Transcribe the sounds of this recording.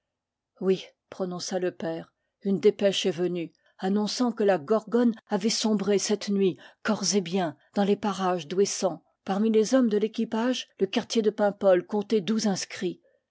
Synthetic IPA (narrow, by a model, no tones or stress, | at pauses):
wi | pχɔnɔ̃saləpɛːʁ | ynd̪epɛʃɛvəny | anɔ̃sɑ̃kəlaɡɔʁɡɔnavɛsɔ̃bʁesɛt̪nɥikɔʁzebjɛ̃d̪̥ɑ̃lepaʁaʒd̪wesɑ̃ | paʁmilezɔmd̪əlekʲipaʒləkaʁt̪jed̪əpɛ̃pɔlkɔ̃t̪ɛd̪uzɛ̃skχi